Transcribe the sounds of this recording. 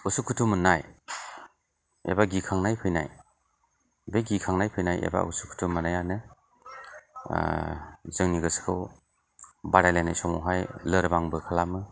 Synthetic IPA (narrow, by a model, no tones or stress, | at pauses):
usukʰutʰumːɯnaj | ḛbaɡikʰaŋnajpʰɯjna̰j | beɡikʰaŋnajpʰɯjnajḛba̰ṵsu̥kʰu̥tʰumːɯnajanɯ | zɯŋniɡɯskʰɯw | baɾajlajnajsɔŋɔ̰wɦajlɯɾbaŋbɯkʰalamɯ